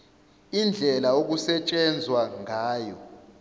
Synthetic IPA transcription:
ind͡ɮʱɛlaok̬usɛt͡ʃʼɛnd͡zʱwaŋaːjɔ̰

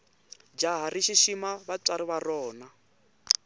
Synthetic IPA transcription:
d͡ʒaɦariʃiʃimaβat͡saɾiβarɔːna

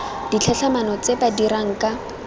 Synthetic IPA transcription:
d̥it͡ɬʰɛɬʰamanɔt͡sebadiɾaŋ̩ka

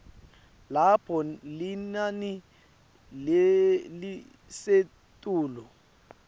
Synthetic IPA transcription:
lapʰɔlɪnani | lelɪ | se | tʼuːlɔ

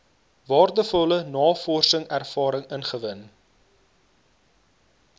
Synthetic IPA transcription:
vɑːrdəfɔələnɑːfɔrsəŋærfɑːɾəŋənχəvən

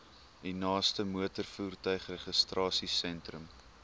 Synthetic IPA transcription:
dinɑːstəmuətərfuːrtœɥχrɛχəstrɑːsisɛntrəm

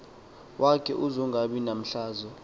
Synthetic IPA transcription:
wʔakʰɛʔuzɔŋɡʱaɓinam̩ɬaːzɔ

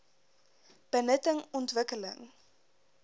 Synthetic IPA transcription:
b̥ənətəŋɔntvəkələ̰ŋ

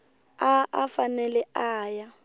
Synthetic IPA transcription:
aa̰fanɛlɛaːja

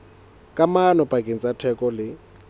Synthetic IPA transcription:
kʼamanɔpʼakʼent͡sʼatʰɛkʼɔlɪ

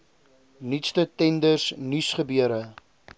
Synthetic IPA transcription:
nitstətɛndərsnysχəbyəɾə

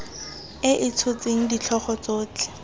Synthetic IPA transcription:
ɪʔɪt͡sʰʊt͡seŋ̩dit͡ɬʰɔχɔt͡soːt͡ɬɪ̥

